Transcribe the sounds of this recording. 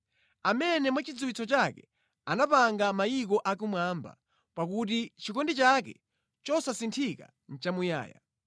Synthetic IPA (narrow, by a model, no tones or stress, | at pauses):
amɛnɛmwat͡ʃid͡zuwit͡sɔt͡ʃakɛ | anapaŋɡamajik̬ɔʔak̬umwaːmba̰ | pakut̬it͡ʃikɔndit͡ʃak̬ɛ̰ | t͡ʃɔsasintʰika̰ | n̩t͡ʃamuja̰ːja̰